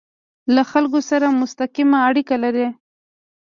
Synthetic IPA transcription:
laxalkosaɾamʊst̪aqimaːɽikalaɾe

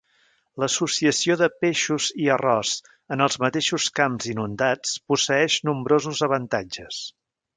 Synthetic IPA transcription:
ləsusiəsioðəpeʃuziərɔz | ənəlˠzmət̪eʃuskamzinund̪at͡spusəɛʃnumbɾozuzəβənt̪ad͡ʒəs

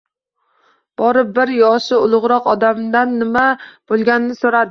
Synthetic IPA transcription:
b̥ɒɾɪp̚bɪɾjɒʃɪʊlˠʊʁɾɒqɒd̪amd̪anːɪmab̥olˠɡʲanɪnɪsoɾad̪ɪ

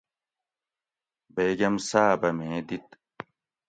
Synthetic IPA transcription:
beːɡɐmsaːbɐmẽːd̪it̪

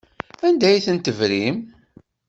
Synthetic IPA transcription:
ænd̪æjθənt̪əvɾim

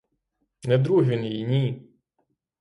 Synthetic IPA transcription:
nɛd̪ɾuɦʋʲinjijnʲi

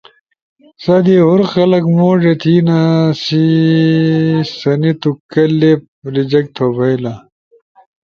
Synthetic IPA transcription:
sɐd̪iɦuɾxɐlɐkmoːʐet̪ʰiːnasi | sɐnit̪ukɐlːep̚ | ɾid͡ʑɐk̚t̪ʰobɐjlɐ

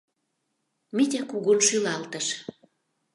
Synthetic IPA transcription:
mit̪ʲækuɣonʃylɑlt̪ə̆ʃ

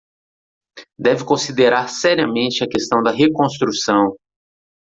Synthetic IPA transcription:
d̪ɛvɪkõsid̪eɾaɾsɛɾiɐmẽnt͡ʃɪɐkest̪ɐ̃w̃d̪ɐɦekõst̪ɾusɐ̃w̃

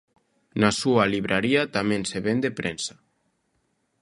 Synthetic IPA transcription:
nasualiβ̞ɾʔaɾiat̪amẽnseβend̪epɾensḁ

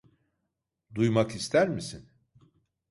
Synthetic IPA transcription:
d̪ujmakist̪ʰæɾmisin

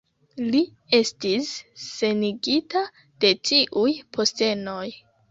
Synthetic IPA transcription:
li | e̞stisːe̞niɡita | d̥e̞tiʔujpʰo̞ste̞no̞j

